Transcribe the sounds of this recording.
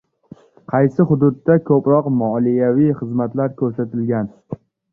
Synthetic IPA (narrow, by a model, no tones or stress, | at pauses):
qʰɑjsɪχʊd̪ʊd̪ːakʰɵpɾɒqmɒlijavijχɨzmat̪laɾkʲʰɵɾsat̪ʰɪlɡʲan